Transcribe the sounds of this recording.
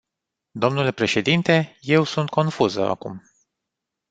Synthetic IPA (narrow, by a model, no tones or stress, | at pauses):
d̪o̞mnule̞pɾe̞ʃe̞d̪int̪e̞je̞wsunt̪̚kʰo̞nfuzə̰a̰kum